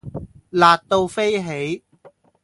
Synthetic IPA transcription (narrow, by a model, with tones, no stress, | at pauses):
laː˨t̚t̪o˧wfe˥jɦe˨˥j